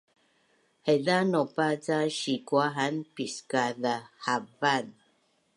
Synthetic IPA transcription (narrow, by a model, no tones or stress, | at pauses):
hɛðanɔpat͡saʃikwaɦanpiskaðahavan